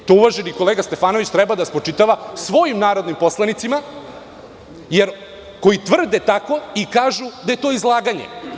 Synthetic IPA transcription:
t̪ouʋaʒeniko̞leːɡast̪e̞faːno̞ʋit͡ɕt̪ɾɛbad̪aspɾot͡ʂit̪aʋasʋo̞jimnaːɾo̞d̪nimpo̞slˠanit̪sima | jeɾ | ko̞jit̪ʋr̩d̪et̪ako̞ikaːʒud̪ajet̪o̞ːizlˠaːɡaɲḛ

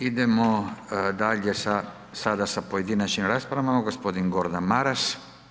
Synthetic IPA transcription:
id̪ɛmod̪aʎesa | sad̪asapojed̪inat͡ʃimɾaspɾavamaɡospod̪iŋɡoɾd̪anmaɾas

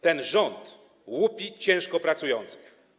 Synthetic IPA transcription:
t̪ɛnʐɔnt̪ | wupʲit͡ɕɛ̃w̃ʂkɔpɾat̪sujɔnt̪sɨ̥x

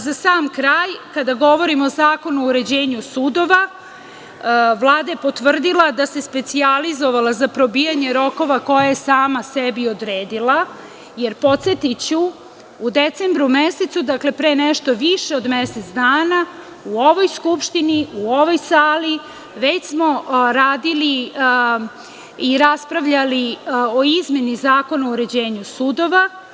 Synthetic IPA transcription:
zasaːmkɾaːjkad̪aɡo̞ʋo̞ɾimoozaːko̞nuouɾe̞d͡ʑeːɲusud̪o̞ʋa | ʋlˠaːd̪ajepo̞t̪ʋr̩d̪ilˠad̪ase̞spet̪sializo̞ʋalazapɾo̞biːjaɲeɾo̞ko̞ʋako̞jajesaːmasebiod̪ɾeːd̪ila | jeɾpo̞t̪se̞t̪it͡ɕu | ud̪et̪seːmbɾumeset̪sud̪akle̞pɾeːneʃt̪oʋiʃe̞od̪meset̪sd̪aːna | uo̞ʋo̞jskupʃt̪iniuo̞ʋo̞jsaːli | ʋe̞t͡ɕsmo̞ɾaːd̪ili | iɾaspɾaʋʎalioizme̞nizaːko̞nauɾe̞d͡ʑeːɲusud̪o̞ʋa

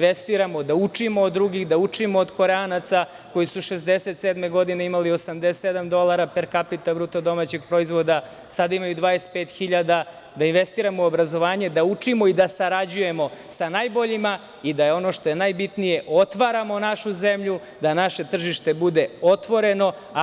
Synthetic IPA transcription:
inʋest̪iɾamo̞d̪aut͡ʂimo̞ːd̪ːɾuɡiɣd̪aut͡ʂimoːd̪ko̞ɾeanat̪sa | ko̞jisuʃezd̪eset̪sed̪me̞ɡo̞d̪ine̞imalio̞samd̪essed̪amd̪o̞lˠaɾapeɾkapit̪abɾuːt̪od̪o̞mat͡ɕeɡpɾo̞izʋo̞d̪a | sad̪aimajud̪ʋaːespeːt̪xiʎad̪a | d̪ainʋe̞st̪iːɾamouobɾazo̞ʋaːɲe̞d̪aut͡ʂimo̞id̪asaɾad͡ʑuje̞mo̞sanajbo̞ʎima | id̪ajeo̞no̞ʃt̪o̞je̞najbit̪nije̞ʔo̞t̪ʋaɾamo̞naʃuze̞mʎu | d̪anaʃe̞t̪r̩ʒiʃt̪e̞bud̪e̞o̞t̪ʋo̞ɾe̞no̞

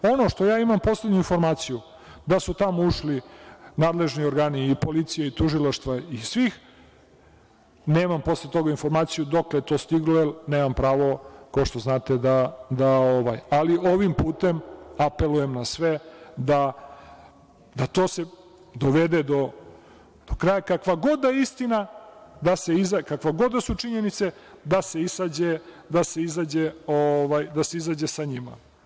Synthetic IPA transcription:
o̞no̞ʃt̪o̞jaːimampo̞sled̪ɲuinfo̞ɾmaːt̪siju | d̪asut̪amouʃlinaːd̪le̞ʒnio̞ɾɡaːniːpo̞lit̪sijeit̪uʒilaʃt̪ʋaisʋix | neːmampo̞slet̪o̞ɡainfo̞ɾmaːt̪sijud̪oklet̪o̞ːst̪iɡlelneːmampɾaːʋo̞kaoʂt̪o̞znaːt̪ed̪ad̪aoʋajaliʔoʋimpuːt̪e̞mape̞lujemnasʋed̪a | d̪at̪o̞ːse | d̪oʋed̪ed̪o | d̪̥okɾaːjakakʋaɡo̞d̪aist̪inad̪ase̞izakakʋaɡo̞d̪asut͡ʂiɲe̞nit̪se̞ | d̪ase̞isad͡ʑe | d̪ase̞izaːd͡ʑeoʋajd̪ase̞izaːd͡ʑesaɲima̰

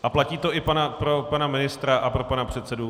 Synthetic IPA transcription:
ʔaplaciːt̪o̞ʔɪpanapɾo̞panamɪnɪst̪ɾaʔapɾo̞panapr̝̥ɛt̪sɛdu

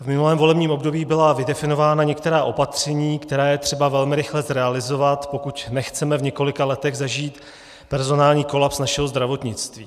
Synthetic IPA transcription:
vmɪnulɛːmvo̞lɛbɲiːmo̞bdo̞biːbɪlavɪdɛfɪno̞vaːnaɲɛk̚t̪ɛɾaːʔo̞pat̪r̝̥ɛɲiːkt̪ɛɾaːjɛt̪r̥ɛbavɛlmɪɾɪxlɛzɾɛalɪzo̞vat̪po̞kucnɛxt͡sɛmɛvɲɛko̞lɪkalɛt̪ɛɣzaʒiːt̪ | pɛɾzo̞naːlɲiːko̞lapsnaʃɛɦozd̪ɾavo̞t̪ɲɪt͡st̪viː

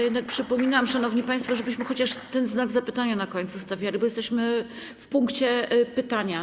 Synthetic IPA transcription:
jɛd̪nak̚pʂɘpɔmʲinamʂanɔvɲipãj̃st̪fɔʐɛbɘɕmɘxɔt͡ɕaʂt̪ɛnznaɡzapɘt̪aɲanakɔɲt̪sust̪avʲjalʲibɔjɛst̪ɛɕmɘ | fpuŋkt͡ɕɛpɘt̪aɲa

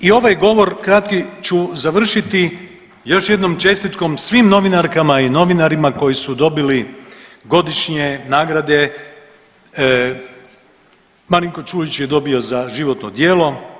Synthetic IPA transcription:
io̞ʋajɡo̞ʋo̞ɾkɾat̪kit͡ʃuzaʋr̩ʃit̪i | jo̞ʃje̞d̪nomt͡ʃe̞st̪it̪ko̞msʋimno̞ʋinaɾkamaino̞ʋinaɾimako̞jisud̪o̞biliɡo̞d̪iʃɲenaːɡɾad̪e̞ | maliŋko̞t͡ʃuːlit͡ɕjed̪o̞bio̞zaʒiʋo̞t̪nod̪je̞ːlˠo̞

